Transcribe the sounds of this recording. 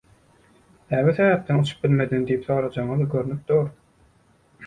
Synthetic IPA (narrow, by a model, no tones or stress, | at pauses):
næːβiθeβæːp̚t̪enut͡ʃʰu̥p̚bilʲme̞d̪ind̪ijipθoːɾɑd͡ʒɑɴɯðɡøɾynyp̚d̪oːɾ